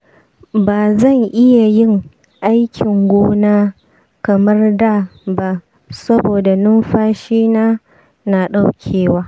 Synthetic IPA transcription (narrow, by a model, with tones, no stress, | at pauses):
baː˨zɐ˦˨ŋʔɪ˦ja˨jɪ˦ŋ | ʔa˦jkʲɪ˨ŋɡʷoː˦naː˦ | kɐ˨mɐ˦rda˦˨ba˦ | sɐ˦boː˨da˨nʊ˦mɸaː˦ʃiː˦naː˦ | na˨ɗa˦wkʲʰeː˨waː˦